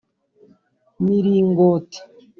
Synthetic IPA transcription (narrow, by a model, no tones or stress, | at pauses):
miɾiŋɡoti̥